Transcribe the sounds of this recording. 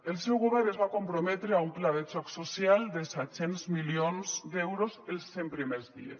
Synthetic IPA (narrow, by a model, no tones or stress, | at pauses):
elˠsɛwɣoβ̞ɛɾnezβakompɾomɛt̪ɾeaumplaðet͡ʃɔksosjald̪esɛt̪senzmilionzd̪ɛwɾozelˠsːempɾimezðḭḛs